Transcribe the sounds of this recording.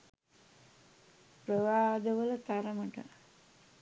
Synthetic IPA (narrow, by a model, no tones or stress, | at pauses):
pɾəʋaːd̪əʋəlɐt̪aɾəməʈə̰